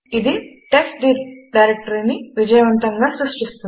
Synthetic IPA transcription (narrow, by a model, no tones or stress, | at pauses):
id̪i | ʈeksʈɖiɾɖɐjɾek̚ʈɐɾniʋid͡ʒɐjɐʋɐnt̪ɐŋɡaːsɾuʂʈist̪un